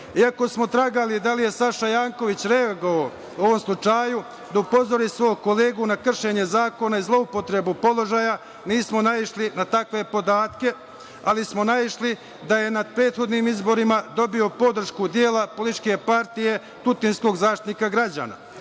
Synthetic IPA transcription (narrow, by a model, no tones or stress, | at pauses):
iako̞smo̞t̪ɾaɡalid̪alije̞saʃajaːŋko̞ʋit͡ɕɾe̞aɡoao | o̞ʋo̞mslˠut͡ʃaju | d̪aupo̞zo̞ɾiːsʋo̞ːjko̞le̞ːɡunakr̩ʃe̞ɲe̞zaːko̞naizlˠo̞upo̞t̪ɾe̞bupo̞lo̞ʒaja | niːsmo̞naiʃlinat̪akʋe̞po̞d̪aːt̪ke̞ | alismonaiʃli | d̪aje̞nad̪̚pɾe̞ːt̪xo̞d̪niːmizbo̞ɾimad̪o̞bio̞po̞d̪r̩ʃkud̪je̞ːlapo̞lit̪t͡ʃke̞paɾt̪ije̞ | t̪ut̪insko̞ɡzaːʃt̪i̥t̪nikaɡɾad͡ʑa̰ːna̰